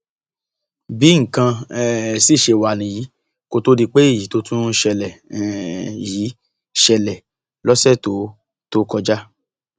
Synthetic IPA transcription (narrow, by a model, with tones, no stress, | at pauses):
bi˨˦ŋ̩˨kã˧ɛ˦si˦˨ʃe˧˨wa˨nĩ˨ji˨˦ | ko˧˨to˧˦di˧k͡pe˦i˦˨ji˨˦to˧tʰũ˦ʃɛ˧lɛ˨ | ji˨˦ | ʃɛ˧lɛ˨ | lɔ˦sɛ˦˨to˨˦ | to˦kɔ˧d͡ʒa˦